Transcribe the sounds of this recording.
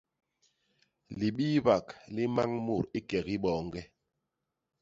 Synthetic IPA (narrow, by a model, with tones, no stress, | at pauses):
li˨ɓiː˦ba˨kli˦ma˦ŋmu˦˨ɾi˦kɛ˨ki˦ɓɔː˨ŋɡɛ˦